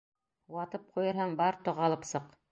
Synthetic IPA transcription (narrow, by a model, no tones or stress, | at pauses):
wɑt̪ɤp̚qʰujɤɾɦɑmbɑɾt̪ŏʁɑlˠɤpsɤq